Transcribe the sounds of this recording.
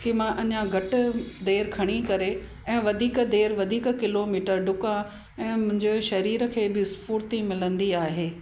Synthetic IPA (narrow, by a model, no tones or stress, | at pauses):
kimãʔɐɲãɡʱɐʈʊ̆d̪eːɾkʰɐɽ̃ikɐɾe | ɛ̃ːʋɐd̪ʱiːkd̪eːɾʋɐd̪ʱiːkkɪloːmiːʈəɾɖʱʊkã | ɛ̃ːmʊ̃ɦɪ̃ɲd͡ʑeʃɐɾiːɾə̆kʰeːbɪspuːɾt̪imɪlə̃nd̪iaːɦeː